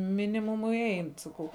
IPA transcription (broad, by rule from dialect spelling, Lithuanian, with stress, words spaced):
ˈmʲɪnʲɪmʊmʊɪ ˈɛɪn sɐˈkɐʊ